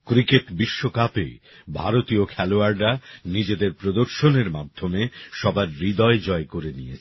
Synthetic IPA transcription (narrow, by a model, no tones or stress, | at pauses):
kɾikeʈbiʃːokapḛ | bʱa̰ɾot̪iokʰɛloaɾɾanid͡ʑed̪eɾpɾod̪oɾʃoneɾma̰d̪ʱːomeʃɔbaɾːid̪ɔed͡ʑɔekoɾenijet͡ɕʰ